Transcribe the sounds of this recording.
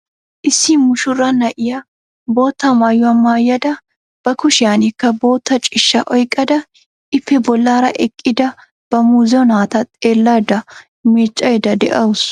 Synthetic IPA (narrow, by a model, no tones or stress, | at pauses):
ʔɪsːimʊʃʊrːɐnɐʔɪjɐ | bo̞ːt̪ːɐmajʊɐmːaːjːɐd̪ɐ | b̥ɐkʊʃɪjanɪkːɐbo̞ːt̪ːɐt͡ʃʼɪʃːɐʔɔjkʼːɐd̪ɐ | ʔɪfːɛbɔlːaːɾɐʔɛkʼːɪd̪ɐ | b̥ɐmuːzɔnaːt̪ɐt̪ʼe̞ːlːaːd̪ɐ | met͡ʃʼːɐjɛd̪ɐd̪ɛ̰ʔɐwʊs